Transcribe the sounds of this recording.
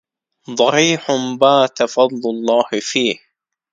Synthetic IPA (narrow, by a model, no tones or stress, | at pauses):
d̪ˤɑħiːħʊbaːt̪afɑd̪ˤlʊlˤːɑːhɪfiːh